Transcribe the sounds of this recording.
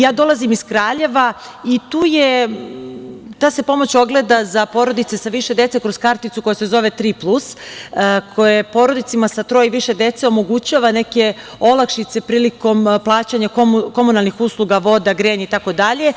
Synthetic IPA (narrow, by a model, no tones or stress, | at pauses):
jaːd̪o̞lˠazimiskɾaːʎe̞ʋa | it̪uːje | t̪aːse̞po̞mo̞t͡ɕo̞ɡle̞d̪azapo̞ɾod̪it̪sesaʋiʃed̪e̞t̪se̞kɾo̞szkaɾt̪it̪suko̞jese̞zo̞ʋe̞t̪ɾiplˠus | kʰo̞jepo̞ːɾo̞d̪it̪simasat̪ɾo̞jiʋiʃe̞d̪e̞t̪seo̞mo̞ɡut͡ɕaːʋane̞ke̞ | o̞lakʃit̪se̞pɾiːliko̞mplˠaːt͡ɕaɲakoko̞munalˠnixuːslˠuɡaʋo̞d̪aɡɾeːɲeit̪ako̞d̪aʎe̞